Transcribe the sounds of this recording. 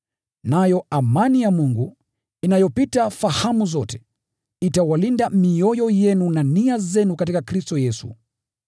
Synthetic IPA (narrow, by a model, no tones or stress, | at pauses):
najɔamanijamuŋɡu | inajɔpitafahamuzɔtɛ̥ | itawalindamiɔjɔjɛnunaniazɛnukatikakɾistɔjɛsṵ